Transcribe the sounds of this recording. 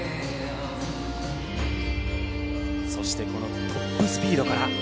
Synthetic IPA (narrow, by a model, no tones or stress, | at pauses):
so̞ɕi̥t̪e̞ko̞nokʰopːoisɨ̥pʲiːd̪o̞kaɾa